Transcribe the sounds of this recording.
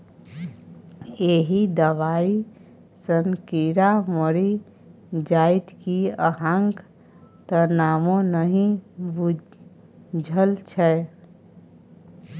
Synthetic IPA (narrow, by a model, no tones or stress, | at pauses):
eɦid̪əʋai | sənkiɾaməɾi | d͡ʒait̪kiəɦãŋɡ | t̪ənamõnəɦĩbu | d͡ʒʱəlt͡ʃʰɛ